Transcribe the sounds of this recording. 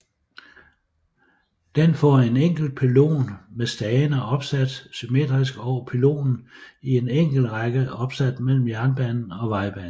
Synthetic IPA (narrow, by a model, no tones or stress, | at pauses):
d̥enfɒ̰e̝neŋ̰ɡ̥l̩d̥̚pʰelo̝̰ːnmesd̥ɛːnɐɒ̽b̥sæd̥syme̝̰ːd̥ʁisɡ̥ɒʊ̰ɐpʰelo̝̰ːn̩ie̝neŋ̰ɡ̥l̩ʁɑɡ̥əɒ̽b̥sæd̥mel̰m̩jæɐnb̥ænn̩ɒ̽ʋɑ̈ɪb̥æ̰n̩